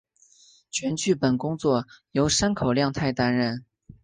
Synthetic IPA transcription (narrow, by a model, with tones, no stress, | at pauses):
t͡ɕʰɥɛ˧˥nt͡ɕy˥˩pə˨˩nkʊ˥ŋt͡swɔ˥˩jo˧˥ʊʂa˥nkʰo˨˩ʊljɑ˥˧ŋt̪ʰa˥˧ɪt̪a˥nɻə˥˩n